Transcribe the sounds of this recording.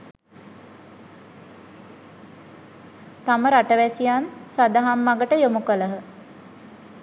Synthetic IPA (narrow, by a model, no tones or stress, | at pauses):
t̪aməɾaʈəʋæsijansad̪aɦamːaɡəʈəjomukələɦə